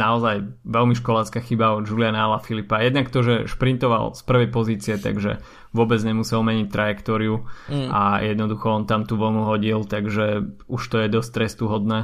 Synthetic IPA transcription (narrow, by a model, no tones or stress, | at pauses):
naɔzajʋɛlmiʃkɔlaːt͡skaxibaɔd͡ʒulɪanalafilipajɛd̪nakt̪ɔʒɛʃpɾint̪ɔʋa̰lˠspr̩ʋɛjpɔziːt͡siɛt̪a̰ɡʒɛ̰ | ʋʊɔbɛd͡zɲɛmusɛlmɛɲic̚t̪ɾʔajɛkt̪ɔːɾiuajɛd̪nɔd̪uxɔɔnt̪amt̪uʋɔlnuɦɔɟilt̪aɡʒɛuʃt̪ɔjɛd̪ɔst̪ɾɛst̪uɦɔd̪nɛː